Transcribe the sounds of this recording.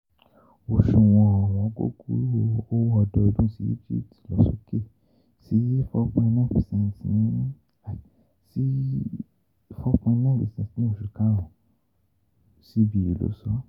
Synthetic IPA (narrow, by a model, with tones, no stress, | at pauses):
o˨ʃu˨w̃ɔ̃˧a˨w̃ɔ̃˧˨˦ɡo̰˦ɡu˧˦ɾo˧o˦wɔ˧dɔ˧i˧dũ˦si˦jḭ˦d͡ʒḭ˦˨ti̥˨lɔ˨˦so̰˦ke˦˨ | si˨˦fɔ˦kã˧nãː˦˨fi˨sɛ̃˧n˨tnĩ˨˦˨ | si˦ | fɔ˦kã˧nã˦˨fḭ˨sɛ̃˧˨snĩ˦o˦˨ʃu˨kã˨˦ɔ̃˨ | si˨˦bi˦i˨lo̰˨˦sɔ˦